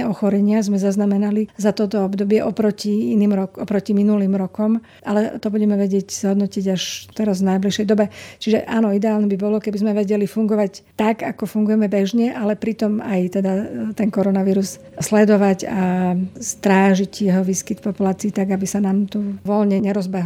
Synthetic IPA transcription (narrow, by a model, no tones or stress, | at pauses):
ɔxɔɾɛɲɪazmɛzaznamɛnalizat̪ɔt̪ɔɔbd̪ɔbɪɛʔɔpɾɔciiniːmɾɔkɔpɾɔciminuliːmɾɔkɔm | ʔalɛt̪ɔbuɟɛmɛʋɛɟɪɛcz̥ɦɔd̪nɔciɟaʃt̪ɛɾazvnajbliʃɛjd̪ɔbɛt͡ʃiʒɛ̰ʔaːnɔid̪ɛaːlnɛbibɔlɔkɛbizmɛʋɛɟɛlifuŋɡɔʋact̪aɡakɔfuŋɡujɛmɛbɛʒɲɛʔalɛpɾit̪ɔmajt̪ɛd̪at̪ɛŋkɔɾɔnaʋiːɾus | slɛd̪ɔʋaɟast̪ɾaːʒicjɛɦɔʋiːskit̪pɔpulaːt͡siːt̪aɡabisanaːmt̪uʋɔlɲɛɲɛɾɔzbɛɦ